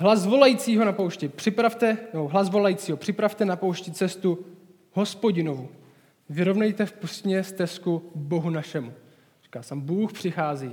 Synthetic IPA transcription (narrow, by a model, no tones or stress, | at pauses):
ɦlazvo̞lajit͡siːɦo̞napowʃcɪpr̝̥ɪpɾaft̪ɛnɛboɦlazvo̞lajiːt͡siːɦo̞pr̝̥ɪpɾaft̪ɛnapowʃcɪt͡sɛst̪u | ɦo̞spo̞ɟɪno̞vu | vɪɾo̞vnɛjt̪ɛfpust̪ɲɛst̪ɛskubo̞ɦunaʃɛmu | ri̥ːkasɛmbuːxpr̝̥ɪxaːziː